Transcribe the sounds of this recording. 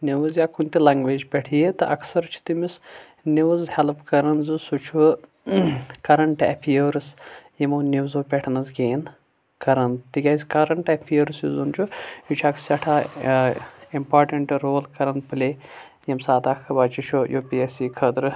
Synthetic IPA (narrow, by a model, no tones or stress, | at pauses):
niʋɨzjaːkʰunʲt̪ilɐŋɡʋeːd͡ʒpʲɛʈʰijet̪ɨʔɐ̰ksɐɾt͡ʃʰu̥t̪imis | niʋuzhɛlpkɐɾɐnzɨsut͡ʃʰu | kɐɾɐɳʈɐ̰pʰijəɾɨsjimoːniʋzoːpʲɛʈʰnɐzɡeːn | kɐɾɐnt̪iɡʲɐzʲkɐɾɐɳʈɐpʰijəɾɨsjṵzunt͡ʃʰujut͡ʃʰɐksɐʈʰaː | impaːɾʈɐɳʈɾoːlkɐɾɐnd̪̚pɨleː | jimsaːd̪aːkʰːɐbaːt͡ʃit͡ʃʰojʔoːpiesiːkʰɐd̪ɾɨ